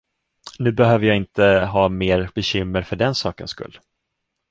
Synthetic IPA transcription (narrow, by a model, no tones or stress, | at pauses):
nʉ̟ːbɛɦøːvəjɑːɪnt̪əɦɑːmeːɾbɛɕʏmːəɾfœɖɛnsɑːkə̰nskɵ̰ld̪